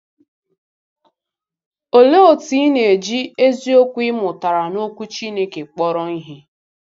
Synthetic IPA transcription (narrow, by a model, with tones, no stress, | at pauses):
o˨le˦o˨ti˨˦ne˨e˨d͡ʒi˦e˦zi˦o˦kʷu˦ɪ˦mʊ˨ta˨ɾa˨no˦kʷu˦t͡ʃi˦ne˦ke˨k͡pɔ˦ɾɔ˦ni˦ɦi˦